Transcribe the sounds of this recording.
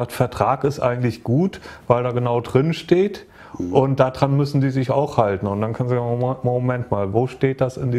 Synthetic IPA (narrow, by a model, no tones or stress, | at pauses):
aːtfɛɐtʁ̥aːkɪstʔa̰ɪɡŋ̩tlɪçɡ̥uːtvaɪldaːɡənaʊdʁɪnʃteːt | ʔʊnt̚d̥aːdʁanmʏsn̩diːzɪçaʊxhaltn̩ʊntd̥ankʰanzzaɡmomɛntmaːlvoːʃteːt̚d̥asɪ̰ndiː